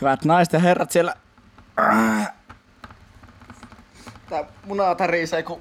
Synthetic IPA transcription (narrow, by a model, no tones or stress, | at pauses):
yʋæt̪nɑise̥t̪jɑherːɑt̪sielːæ | t̪æmunɑt̪ɑriseˑku